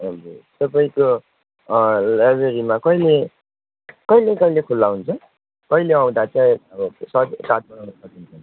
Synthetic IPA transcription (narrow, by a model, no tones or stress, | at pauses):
ʌd͡zut̪ʌpaĩko | labeɾimakʌile | kʌilekʌilekʰulːaɦunt͡sʰʌ | kʌjleʌ̃w̃d̪at͡saj̃ʌbʌsʌkad̪̚bʌawnʌsʌkint͡sʰʌn